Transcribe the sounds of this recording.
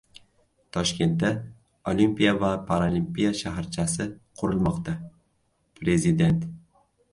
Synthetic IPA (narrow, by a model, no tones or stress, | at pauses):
t̪ʰɒʃkʲe̞nt̪̚d̪a | olimpijavapʰaɾolimpʲijaʃaɦɾt͡ʃʰasɪqʰʊɾʊlˠmɒqt̪ʰa | pʰɾe̞zɪd̪e̞nt̪